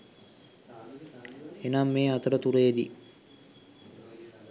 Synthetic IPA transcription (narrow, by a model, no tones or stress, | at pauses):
enamːeːat̪əɾət̪uɾeːd̪ḭ